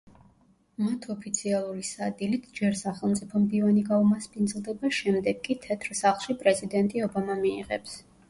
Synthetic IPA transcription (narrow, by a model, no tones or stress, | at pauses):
mat̪ʰɔpʰit̪sʰialˠuɾisad̪ilit̪ʰd͡ʒɛɾsaχɛlˠmt̪sʼipʰɔmd̪ivaniɡaumaspʰʼind̪zlˠd̪ɛbaʃɛmd̪ɛɡkʼːit̪ʰɛt̪ʰɾsaχlˠʃipʼɾɛzid̪ɛnt̪ʼiɔbamamḭːʁɛ̰ps